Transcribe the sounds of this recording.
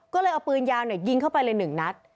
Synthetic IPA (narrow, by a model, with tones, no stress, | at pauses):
kɔː˥˩lɤː˧jʔa˧wpɯː˧njaː˧wni˥˩əji˧ŋkʰa˥˩wpa˧jlɤː˧jnɯ˨˩ŋna˦˥t̪̚